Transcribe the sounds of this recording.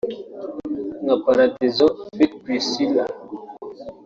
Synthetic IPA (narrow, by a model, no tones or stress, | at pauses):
ŋapaɾatezɔbet̚pisila